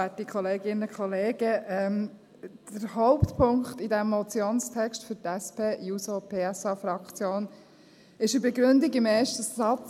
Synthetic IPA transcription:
ætikχɔleːɡɪnəkχɔleːɡəʔɛm | d̥əɾhɔʊpt̪pʰʊŋkχt̪idæmːɔt͡sjoːnstʰɛkʃtfʏɾtɛspʰeːjusopʰeːɛsɑːfɾɑkt͡sjoːn | ɪʃəbɛɡɾʉndiɡɪmeːɾʃtəsɑt͡s

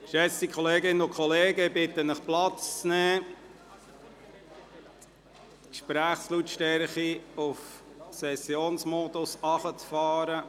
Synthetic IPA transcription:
ʃɛsikʰɔleːɡɪnəʊkʰχɔleːɡəbɪt̪ənəχplɑt͡st͡snɛː | kʃpɾæːχslut̪ʃtɛɾχiʊf | sɛsjoːnsmod̥̪ʊsɑχət͡sfɑːɾə

